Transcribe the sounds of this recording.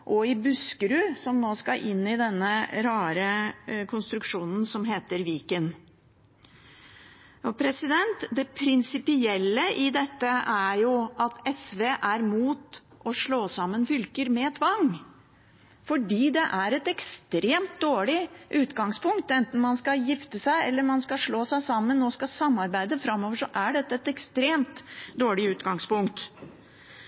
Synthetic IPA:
ʔɔɪbʉskəɾʉsɔmnoːskɑʔɪnːɪd̪ɛnːəɾɑːɾəkʰʊnst̪ɾʉkʂuːnn̩sɔmɦeːt̪əɾʋiːkən | ɔpʰɾɛsɪd̪ɛnt̪d̪ɛpʰɾɪnsɪpɪɛlːəʔɪd̪ɛt̪ːəʔæɾjʊʔɑt̪ʰɛsʋeːʔæɾmuːt̪ | ʔɔʂɭoːsɑmːənfʏlkəɾmɛt̪ʰʋɑŋː | fɔɖiːd̪ɛʔæɾɛt̪ɛkst̪ɾeːmt̪̚d̪oːɭɪʔʉːt̪ɡɑŋspʰʊŋkt̪ɛnt̪n̩mɑnskɑjɪft̪əsæɪɛlːəɾmɑnskɑʂɭoːsæɪsɑmːənːoːskɑsɑmːɑɾbæɪd̪əfɾɑmːɔːʋəʂɔʔæɖɛt̪ːəɛt̪ɛkst̪ɾeːmt̪d̪oːɭɪʉːt̪ɡɑŋspʊŋkt̪

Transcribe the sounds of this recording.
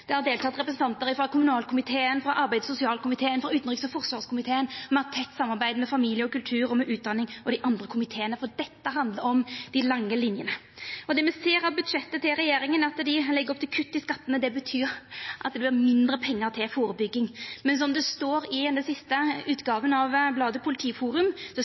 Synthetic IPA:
d̪̥ɛhɑɾd̪eːlt̪ʰɑt̪ɾɛpɾəsn̩t̪ɑnt̪əɾɪfɾɑkʰʊmʉnɑːlkʰʊmɪt̪ʰeːənfɾɑʔɑɾbæɪd̪sʊsɪɑːlkʰʊmɪt̪ʰeːənfɾɑʉːt̪nʁiksɔfɔʁsʋɑːʁskʊmɪt̪ʰeːənmɑt̪ʰɛt̪ːsɑmːɑɾbæɪd̪mɛfɑmiːljəɔkʉlt̪ʰʉːɾɔmɛʔʉːt̪̚d̪ɑnːɪŋɔd̪ɪʔɑnd̪ɾəkʰʊmɪt̪ʰeːənəfɔd̪ɛt̪ːəɦɑnd̪ləɾɔmd̪̥ɪlɑŋːəlɪnjənə | ɔd̪ɛmɛseːɾɑʋbʉd̪ʂɛt̪ːət̪ʰɪlɾɛjeːɾɪŋənɑt̪d̪ɪlɛɡːəɾɔpt̪ʰɪlkʰʉt̪ːɪskɑt̪ːənəd̪ɛbət̪ʰyːɾʔɑ̰t̪̚d̪ɛb̪ɪmɪnd̪ɾəpʰɛŋːəɾt̪ʰɪlfoːɾəbʏɡːɪŋmɛnsɔmd̪ɛst̪oːɾɪɛnd̪əsɪst̪əʉːt̪ɡɑːʋənɑʋblɑːd̪əpʰʊlɪt̪ʰiːfuːɾʉmsɔ

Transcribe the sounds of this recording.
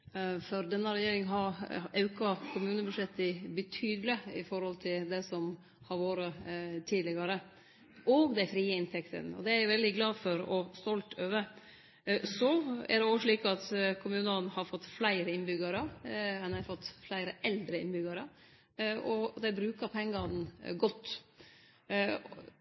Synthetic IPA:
fɔɾd̪ɛnːəɾɛjeːɾɪŋɦɑɾɑʉkɑkʰʊmʉːnəbʉʂɛt̪ːɪbət̪ʰyːd̪ələɪfɔɾhɔlt̪ʰɪld̪ɛsɔm | hɑɾʋoːɾət̪ʰiːd̪lɪɡɑɾə | ʔɔɡd̪æɪfɾiːəɪnt̪ʰɛkt̪ʰə̰nɔ̰d̪ɛæɾjʊʋɛld̪ɪɡlɑːfɔɾɔst̪ɔlt̪ʰøːʋə | sɔæ̰ɾd̪ɛoːʂɭiːkɑt̪kʰʊmʉːnənhɑɾfɔt̪ːflæɪɾəɪnbʏɡɑɾəɛnɛfɔt̪ːflæɪɾəʔɛld̪ɾəɪ̰nbʏɡɑɾə | ʔɔd̪ɛbɾʉːkəɾpʰɛŋɡɑn̩ɡɔt̪ː

